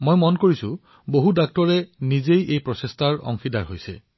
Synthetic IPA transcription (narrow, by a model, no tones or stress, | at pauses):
mojmɔnkoɹisʊ̰ | boɦudak̚tɔɹɛnizejʔejpɹɔsestʰaɹɔ̰ŋxʰidaɹɦojsɛ̰